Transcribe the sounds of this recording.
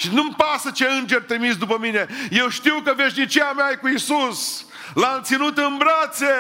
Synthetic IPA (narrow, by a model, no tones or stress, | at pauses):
ʃinumpasət͡ʃeɨnd͡ʒerʲt̪ɾimisd̪upəmine̞je̞wʃt̪iwkəve̞ʃnit͡ʃijameajekuisus | lant̪sinut̪ɨnbɾat̪se̞